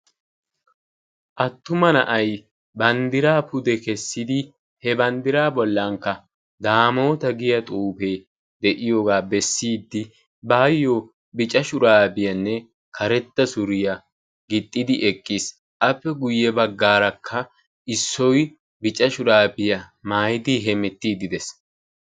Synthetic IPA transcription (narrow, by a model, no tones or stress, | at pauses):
ʔɐt̪ːʊmɐnɐʔɐj | bɐnd̪ɪɾaːpʊd̪ɛkɛsːɪd̪ɪ | hɛbɐnd̪ɪɾaːbɔlːɐŋkːɐ | d̪aːmo̞ːt̪ɐɡɪjɐt̪ʼuːfe̞ː | d̪ɛʔɪjo̞ːɡaːbɛsːiːd̪ːɪ | baːjːoː | bɪt͡ʃʼɐʃʊɾaːbɪjɐnːɛ | kʰɐɾɛt̪ːɐsʊɾɪjɐ | ɡɪt̪ʼːɪd̪ɪʔɛkʼːɪs | ʔɐpːɛɡʊjːɛbɐɡːaːɾɐkʰːɐ | ʔɪsːɔj | bɪt͡ʃʼɐʃʊɾaːbɪjɐ | maːjɪd̪iɦɛmɛt̪ːiːd̪ɪd̪ɛs